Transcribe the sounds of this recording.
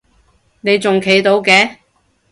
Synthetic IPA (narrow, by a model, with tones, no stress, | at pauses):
ne˨˧jt͡sʊ˨ŋkʰe˨˥jt̪o˨˧wkɛː˨˧